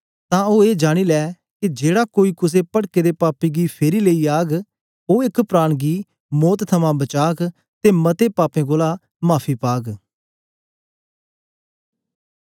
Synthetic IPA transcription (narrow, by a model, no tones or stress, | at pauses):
t̪ãːoːeːd͡ʒaːɽ̃iːlɛː | kid͡ʒeːɽaːkoːiːkʊs̬eːpəɽkeːd̪eːpaːpiːɡiːpʰeːɾiːləiːaːɡ | oːɪkpɾaːɽ̃ɡiː | mɔːt̪t̪ʰəmãːbət͡ʃaːk | t̪eːmət̪eːpaːpẽːɡoːlaː | maːpʰiːpaːɡ